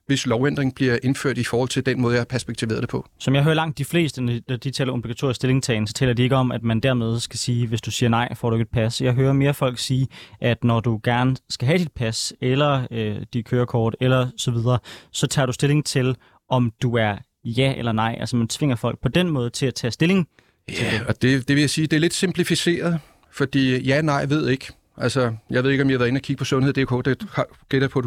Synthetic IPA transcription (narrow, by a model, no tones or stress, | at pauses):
ʋe̝slɒʊend̥ʁeŋ̩b̥liɐʔe̝nføɐ̰d̥ifɒːhɒ̽l̰t͡sʰe̝ld̥enmɔːð̩ˠjahɑ̈pʰæɐsb̥eɡ̥̚t͡sʰiʋe̝ːɐð̩̥ˠepʰɒ̽sɒ̽mjɑɦøːɐlɑ̈ŋ̰d̥̚ifle̝̰ːsd̥ənnæd̥it͡sʰɛ̰ːlɐo̝b̥liɡ̥æt͡sʰo̝ɐɪisd̥e̝le̝ŋst͡sʰɛːn̩sɒ̽t͡sʰɛ̰ːlɐdie̝ɡ̥əɒ̽mæd̥mænd̥æɐ̰með̞ˠsɡ̥æsiːʋe̝sd̥usiːɐnɑ̈ɪ̰fɒ̰ːd̥ue̝ɡ̥ed̥pʰæsjɑ̈ɪɦøːɐme̝ːɐfɒ̽l̰ɡ̥siːʔæd̥nɒd̥uɡ̥æɐnəsɡ̥æɦæd̥id̥̚pʰæselɐød̥id̥̚kʰøːɐkʰɒːd̥elɐsɒ̽ʋið̞ˠɐːsɒ̽t͡sʰɑ̰̈ːɾ̥usd̥e̝le̝ŋt͡sʰe̝l | ʔɒ̽md̥uæɐ | jæelɐnɑ̈ɪ̰ʔælsɒmænt͡sʰʋe̝ŋ̰ɐfɒ̽l̰ɡ̥̚pʰɒ̽d̥enmɔ̽ːð̞̩ˠt͡sʰe̝læt͡sʰɛ̰ːsd̥e̝le̝ŋʰ | eleɒd̥e̝d̥e̝ʋe̝jasiːd̥e̝æɐle̝d̥sempʰlifise̝̰ːɐð̞̩ˠ | fɒ̽d̥ḭːjænɑ̈ɪ̰ʋe̝ð̞̰ˠe̝ɡ̥ | ʔælsɐjɑe̝ð̞̰ˠeɡ̥ɒ̽mjɑɑʋæɐe̝nækʰiɡ̥əpʰɒ̽sɔ̽nheð̰̥ˠekʰɔ̰ːd̥ehɑ | ɡ̥ed̥ɐpʰɒ̥